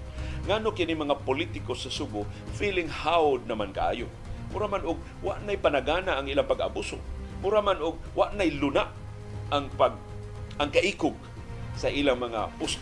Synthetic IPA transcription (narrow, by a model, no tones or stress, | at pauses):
ŋaːnokɪnɪmɐŋapʊlit̪ɪkosɐsuɡʊfilɪŋhawʊd̪̚nɐmanka̰ʔa̰ːjo | mʊɾamanʊɡ̚ | wa̰ʔnajpanaɡaːnaʔːŋilaŋpaɡa̰buːso̰mʊɾamanʊɡ̚waʔnajlʊnaʔ | aŋpaɡ̚ | aŋkaʔiːkʊɡ̚ | sɐʔilaŋmɐŋa̰pʊs